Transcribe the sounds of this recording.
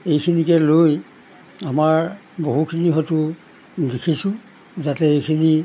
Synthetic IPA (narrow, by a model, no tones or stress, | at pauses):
ejkʰinikɛloj | amaɹ | boɦukʰiniɦɔtu | dekʰisʊ̃ | zatɛejkʰini